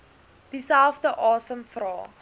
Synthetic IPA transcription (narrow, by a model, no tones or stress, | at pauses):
d̥isælˠfdəʔɑːsəmfrɑː